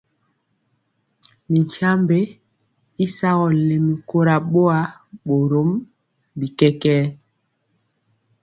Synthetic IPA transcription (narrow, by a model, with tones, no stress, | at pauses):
mi˨ɲkʰa˦mbe˦ | i˦sa˦ɣɔ˨le˨mi˨ko˦ɾa˨ɓo˦a˨ɓo˨ɾo˨˦m | bi˨kɛ˦kɛː˦